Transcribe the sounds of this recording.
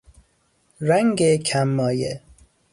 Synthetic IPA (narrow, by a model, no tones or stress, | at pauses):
ɾæŋɡekʰæmːɒːje